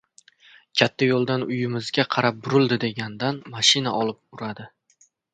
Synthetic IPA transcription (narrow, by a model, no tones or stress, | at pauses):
kʲʰat̪ʰːajolˠd̪anʊjɪmɪzɡʲaqʰɑɾap̚bʊɾɪlˠd̪ɪd̪e̞ɡʲand̪anmaʃɪnaʔɒlˠɪp̚ʊɾad̪ɪ